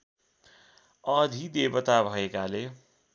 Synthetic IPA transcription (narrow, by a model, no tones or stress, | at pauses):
ʌd̪ʱid̪ebʌt̪abʱʌekale